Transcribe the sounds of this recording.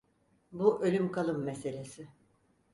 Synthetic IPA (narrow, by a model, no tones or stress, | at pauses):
buʔø̞lʲymkʰalˠɯmːese̞lʲe̞sɪ